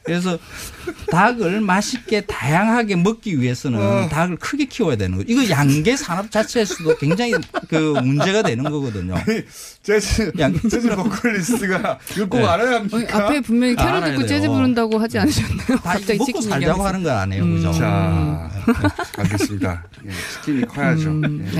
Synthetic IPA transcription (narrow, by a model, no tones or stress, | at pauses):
kɯɾes̬ʰʌ | taɡɯɭmaɕʰik͈e̞tajaŋɦaɡe̞mʌk͈iɥie̞sʰʌnɯntaɡɯɭkʰɯɡe̞kʰiwʌjadwenɯ̰nɡʌiɡʌjaŋɡe̞sʰaɾap̚t͡ɕ͈at͡ɕʰes͈uɡokwe̞ŋd͡ʑaŋikɯmund͡ʑe̞ɣadwe̞nɯnɡʌɡʌdɯɲo̰ | t͡ɕed͡ʑjaŋed͡ʑeokʰɯɭːistʰɯɡakɯɭk͈oɡaɾajamɲiiapʰe̞ponmjʌɲikʰeɾɯak͈ot͡ɕ͈ed͡ʑebuɾɯndaɡohad͡ʑianɯɕʰʌnejotamʌkk͈osʰaɭɡdaɡohanɯnɡʌɾa̰ɲejo̰kɯd͡ʑo̰a̰ | aɭɡes͈ɯmɲida̰ | jet͡ɕʰi̥kʰimikʰajad͡ʑojḛ